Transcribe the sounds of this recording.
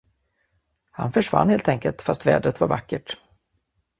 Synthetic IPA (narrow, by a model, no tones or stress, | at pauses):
ha̰nfœʂva̰nːheːlt̪ʰɛŋkəlt̪fast̪vɛ̰ːd̪ɾət̪vaɾvakːəʈ